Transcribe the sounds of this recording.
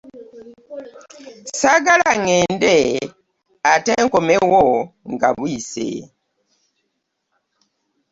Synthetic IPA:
saɡalaŋɛndɛ | atɛŋkɔmɛwɔŋɡa̰bwisɛ̰

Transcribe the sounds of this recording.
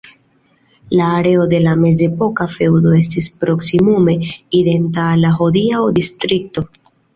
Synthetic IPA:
laːɾe̞o̞de̞lame̞ze̞po̞kafe̞wdo̞e̞stispɾo̞ksimume̞ide̞ntaːlːaɦodiaodistɾik̚to̞

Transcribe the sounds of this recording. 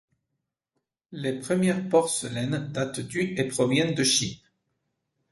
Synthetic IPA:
lepχəmjɛʁpɔʁsəlɛnd̪at̪d̪yepχɔvjɛnd̪əʃip

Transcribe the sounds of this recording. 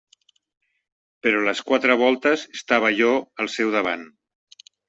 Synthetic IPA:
pəɾɔləskwat̪ɾəβɔlˠt̪əzest̪aβ̞əʒɔəlˠsɛwðəβ̞an

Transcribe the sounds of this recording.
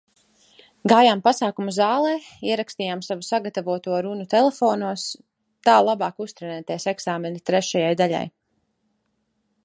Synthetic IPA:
ɡaːjaːmpasaːkumuzaːlˠɛːiɛɾakst̪iːjaːmsavusaɡat̪avuɔt̪uɔɾunut̪ɛlˠefoːnuɔs | t̪aːlˠabaːkust̪ɾɛnæːt̪iɛsɛɡsaːmɛnit̪ɾɛʃajajd̪aʎa̰j

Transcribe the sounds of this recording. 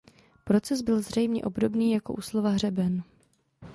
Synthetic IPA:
pɾo̞t͡sɛzbɪlzr̝ɛjmɲɛ̰ʔo̞bdo̞bniːjako̞ʔuːslo̞vaɦr̝ɛbɛn

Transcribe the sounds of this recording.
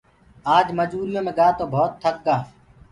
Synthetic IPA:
aːd͡ʒməd͡ʒuːɾɪjõːmẽːɡaːt̪oːbʱoːt̪ʰːək̚ɡaː

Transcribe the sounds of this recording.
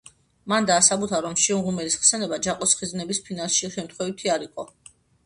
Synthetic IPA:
mand̪aːsabut̪ʰaɾɔmʃiunʁumɛlisχsɛnɛbad͡ʒaqʼɔsχiznɛbispʰinalˠʃiʃɛmt̪ʰχwɛvit̪ʰiaɾiqʼɔ

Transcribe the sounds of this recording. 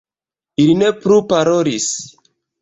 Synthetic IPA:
iline̞plupaɾo̞ɾis

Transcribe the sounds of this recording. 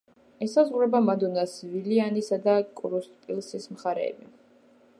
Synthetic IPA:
ɛsazʁɾɛbamad̪ɔnasvilianisad̪akʼɾust̪ʼpʼilˠsismχaɾɛ̰ːbi

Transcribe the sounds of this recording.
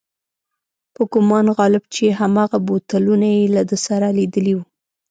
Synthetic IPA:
pʊkʊmɑnɣɑlɪbt͡ʃeɦamɑɣabot̪alunajelad̪əsaɾalid̪əliwu

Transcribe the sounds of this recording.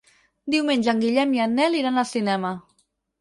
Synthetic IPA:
d̪iwmeɲnʲʒəŋɡiʎɛmianːɛliɾanalˠsinɛmə

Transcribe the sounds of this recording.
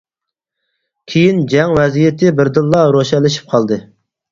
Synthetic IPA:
kʲʰejind͡ʒɛŋwɛzijɪt̪ʰɪbɪɾd̪ɨlˠːɑɾoʃɛlːɪʃi̥p̚qʰɑlˠd̪ɨ

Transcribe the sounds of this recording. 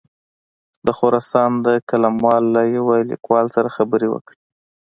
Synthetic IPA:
d̪əxoɾɑsɑnd̪əkalamwɑlːajawalḭkwɑlsaɾaxabəɾewə̰kɽi

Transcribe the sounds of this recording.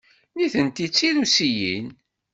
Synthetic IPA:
niθənt̪it͡sːilusijḭn

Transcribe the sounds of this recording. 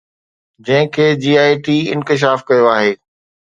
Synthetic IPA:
d͡ʑɐ̃ɦɪ̃kʰeːd͡ʑiːaːiʈiːɪ̰̃nkɪʃ̬aːfkɐjoaːɦeː

